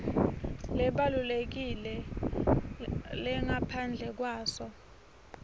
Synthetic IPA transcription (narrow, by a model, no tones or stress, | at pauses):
lɛɓalulek̬ilɛ | lɛŋapʰand͡ɮʱɛk̬waːsɔ